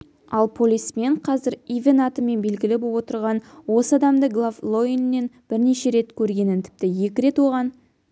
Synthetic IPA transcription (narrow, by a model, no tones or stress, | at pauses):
ɑlˠpʰo̞lʲijsme̞ɴqʰɑzɪɾivʲenat̪əme̞nbe̞lɡʲɪlɪbowo̞t̪əɾʁɑnwo̞səɑd̪ɑmd̪əɡlˠavlˠo̞nːe̞nb̥ɪɾne̞ʃe̞ɾe̞t̪kʲʰɵɾɡʲe̞nɪnt̪ʰɪ̥p̚t̪ɪje̞kʲɪɾe̞t̪wo̞ʁɑn